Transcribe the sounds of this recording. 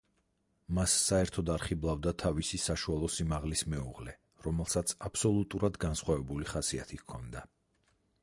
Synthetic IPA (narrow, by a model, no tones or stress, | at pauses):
masːaɛɾt̪ʰɔd̪aɾχiblˠavd̪at̪ʰavisisaʃualˠɔsimaʁlismɛṵʁlɛ | ɾɔmɛlˠsat̪sʰapʰsɔlˠut̪ʼuɾad̪ɡansχwavɛbuliχasiat̪ʰikʰɔnd̪a